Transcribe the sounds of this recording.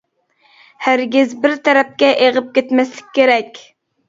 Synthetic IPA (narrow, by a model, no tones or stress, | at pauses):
hæɾɡʲɪzbɪɾt̪ʰɛɾɛp̚kʲɛʔeʁəp̚kʲet̪mɛslɪk̚ʲʰːeɾɛkʲ